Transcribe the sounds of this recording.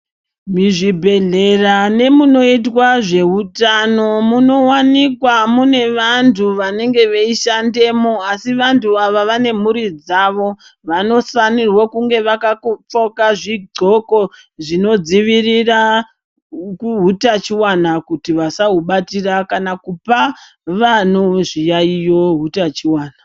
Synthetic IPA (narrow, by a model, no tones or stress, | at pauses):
miʐibʱe̞ɮe̞rane̞muno̞itwaʐe̞utano̞muno̞wanikwamune̞ʋantʰuʋane̞ŋɡe̞ʋeiʃande̞mo̞asiʋantʰuaʋaʋane̞muɾid͡zaʋo̞ | ʋano̞fanirwokuŋɡe̞ʋakakp͡fo̞kaʐiɡ͡ǀo̞ko̞ | ʐino̞d͡ziʋirira | kuɦutat͡ʃiwanakutiʋasaɦuɓatirakanakupa | ʋanoʐijaijo̞ɦutat͡ʃiwaːna